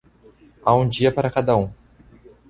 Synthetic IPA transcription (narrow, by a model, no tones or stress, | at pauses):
aũd͡ʒiɐpaɾɐkad̪ɐũ